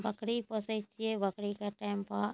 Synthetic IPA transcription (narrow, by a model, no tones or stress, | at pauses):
bəkɽipəset͡ʃieʋəkɽikaʈaɪmpa